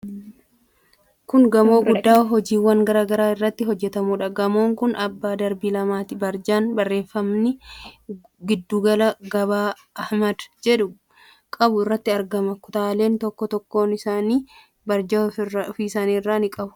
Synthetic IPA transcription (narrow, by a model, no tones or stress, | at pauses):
kʊŋɡɐmo̞ːɡʊd̪ːaːwɦɔd͡ʒiːwːɐŋɡɐɾaːɡɐɾaːɪrːɐt̪ːɪɦɔd͡ʒːɛt̪ɐmuːᶑɐɡɐmo̞ːŋkʊnɐbːaːd̪ɐɾbiːlɐmaːt̪ɪbɐɾd͡ʒaːnbɐrːe̞ːfːɐmnɪ | ɡɪd̪ːuːɡɐlɐɡɐbaː | ʔɐhmɐd̪d͡ʒɛᶑʊ | kʼɐbʊɪrːɐt̪ːɪɐɾɡɐmɐkʊt̪aːle̞ːnt̪ɔkːɔt̪ɔkːo̞ːnɪsaːniː | bɐɾd͡ʒɐfiːɪsaːniːrːaːnɪkʼɐbʊ̥